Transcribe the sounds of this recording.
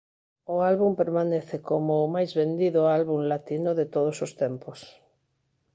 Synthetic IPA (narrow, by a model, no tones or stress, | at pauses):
ʊalβumpeɾmaneθekomoːmajzβend̪iðʊalβuŋlat̪inʊðet̪oð̞osost̪ɛmpos